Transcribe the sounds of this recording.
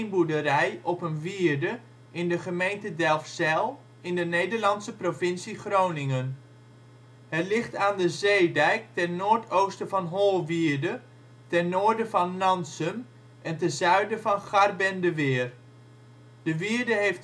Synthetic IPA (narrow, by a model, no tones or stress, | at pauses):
nbudəɾɛjɔpənʋiəɹdə | ɪndəχəmejntədɛlˠfsɛlˠ | ɪndənejdəɹlɑnsəprovɪnsiχrownɪŋən | hɛtlɪχtaːndəzeːdɛjk̚tɛnːoːɹtʰowstəvɑnɦolˠʋiːɹdə | tɛnːoːɹdəvɑnːɑnsəm | ʔɛntəzœɥdəvɑnχarbɛndəʋɪːr | d̥əʋiəɹdəɦejft